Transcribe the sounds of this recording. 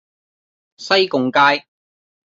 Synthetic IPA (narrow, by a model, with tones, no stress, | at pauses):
sɐ˥jkʊ˨ŋkaː˥j